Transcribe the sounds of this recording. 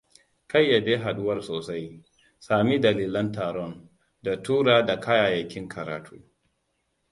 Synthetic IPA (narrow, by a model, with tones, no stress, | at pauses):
ka˦jːa˨deː˦ɦa˨ɗʊ˦wɐ˨rsoː˨sa˦j | saː˨mi˦dɐ˨liː˦lɐ˦ntaː˨ɾɔ˦n | da˨tuː˦ɾaː˨da˨kʰa˦jaː˨jɐ˨kʲɪ˦ŋkʰɐ˨ɾa̰ː˨tʰuː˦